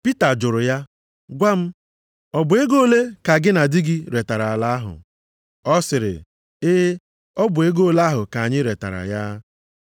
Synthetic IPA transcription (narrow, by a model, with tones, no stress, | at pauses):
pi˦ta˨d͡ʒʊ˨ɾʊ˨ja˦ | ɡʷa˦m̩˦ | ɔ˦bʊ˨e˦ɡo˦le˦ka˨ɡɪ˦na˨dɪ˦ɡɪ˦ɾe˨ta˨ɾa˨a˨la˦a˦ɦʊ̰˨ | ɔ˦sɪ˨ɾɪ̰˨ | ɪ˦ | ɔ˦bʊ˨e˦ɡo˦la˦ɦʊ˨ka˨a˨ɲɪ˦ɾe˨ta̰˨ɾa̰˨ja˦